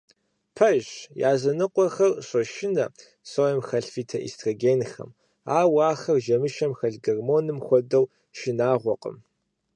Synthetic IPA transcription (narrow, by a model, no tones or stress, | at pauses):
pʰɐʒja̰ːzɐnɨqʷʼɔxɐrɕʷʼɐʃɪnɐ | sojɐmxɐɬfiːtʰɐʔḭstʰroɡʲeːnxɐ̰m | aːwaːxɐrʒɐmɨʃɐmxɐɮɡɐrmoːnɨmxʷɔdɐw | ʃɪnaːʁʷɔqʼə̰m